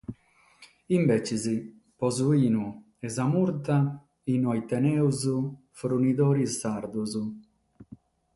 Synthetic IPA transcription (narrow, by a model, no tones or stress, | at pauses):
imbɛt͡ʃizi | pɔzuiːnu | ɛzamuɾt̪a | inɔjt̪ɛnɛwzu | fɾunid̪ɔːɾisːaɾd̪uzu